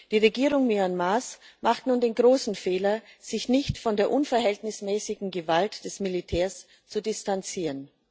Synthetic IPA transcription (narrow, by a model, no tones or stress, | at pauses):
d̥iːʁeɡiːʁʊŋmyanmasmaχtnuːndeːnɡʁoːsn̩feːlɐz̥ɪçnɪçtfɔndeːɐʔʊnfɐɦɛltnɪsmɛːsɪɡŋ̩ɡəvaltd̥ɛsmilitʰɛːɐs | t͡sudɪstant͡siːʁən